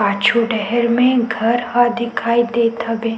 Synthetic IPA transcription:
aːt͡ʃʰuɖɛɦɛɾmẽɡʱɐɾhad̪ɪkʰaːid̪eːt̪ɐbeː

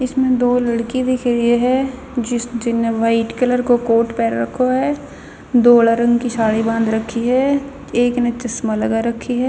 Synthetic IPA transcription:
ɪsmẽd̪oːlɐɽkid̪ɪkʰɾəeɦɛ | d͡ʒɪd͡ʒɪneʋaːɪʈkɐləɾkokoːʈpɛːɾːɐkʰːoɦɛː | d̪oːlaɾɐ̃ŋɡkiʃaːɽibãːnd̪ɾɐkʰːiɦɛː | eːknet͡ʃɐsmaləɡaɾɐkʰːiɦɛː

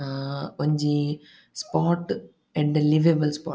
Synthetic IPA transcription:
kɔɲd͡ʒi | spaːʈ | ɛɳɖliʋeːbɐlspa̰ː

